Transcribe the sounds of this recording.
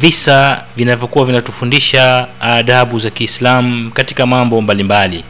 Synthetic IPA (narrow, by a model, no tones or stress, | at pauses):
visavinavjɔkuwavinatu̥fundiʃaːðaɓuzakiːslam̩kati̥kamambɔmbalimbali